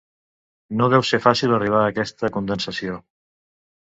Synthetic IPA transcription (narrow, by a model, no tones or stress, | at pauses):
noðɛwsefasilˠəriβ̞aːkɛst̪əkund̪ənsəsio